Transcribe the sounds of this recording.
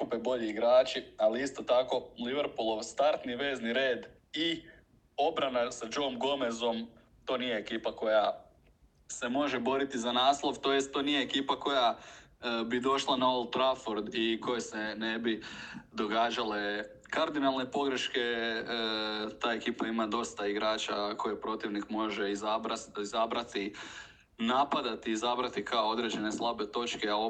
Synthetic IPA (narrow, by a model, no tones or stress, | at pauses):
kupebo̞ʎiːɡɾaːt͡ʃialiist̪o̞t̪ako̞liʋeɾpulˠo̞ʋst̪aɾt̪niʋe̞ːzniɾe̞ːd̪ | i | o̞bɾanasad͡ʒo̞mɡo̞me̞zo̞m | t̪o̞ːnije̞ːkiːpako̞ja | se̞mo̞ʒe̞bo̞ɾit̪izanaːslˠo̞ʋt̪o̞ːjest̪̚t̪ːonije̞ːkiːpako̞ja | bid̪o̞ʃlˠanaolˠt̪ɾafoɾd̪iko̞je̞se̞ne̞bid̪o̞ɡaːd͡ʒale̞ | kaɾd̪inalˠne̞po̞ɡɾe̞ʃke̞ | t̪aːe̞kiːpaimad̪o̞st̪aiɡɾaːt͡ʃakʰo̞jepɾo̞t̪iʋnikmo̞ʒe̞izaɾaizabɾat̪i | napad̪at̪iːzabɾat̪ikʰaood̪ɾe̞d͡ʒe̞ne̞slˠabe̞t̪o̞t͡ʃkeao